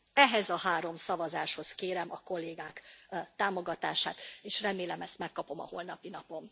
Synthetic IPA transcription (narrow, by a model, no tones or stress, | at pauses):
ɛɦɛzɒɦaːɾo̞msɒvɒzaːʃho̞skeːɾɛmʔɒko̞lːeːɡaːkt̪aːmo̞ɡɒt̪a̰ːʃa̰ːt̪eːʃrɛmeːlɛmɛst̪mɛkːɒpo̞mɒ̰ho̞lnɒpinɒpo̞m